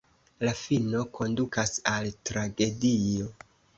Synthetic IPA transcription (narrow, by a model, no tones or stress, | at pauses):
lafino̞kʰo̞ndukasaltɾaɡe̞dijo̞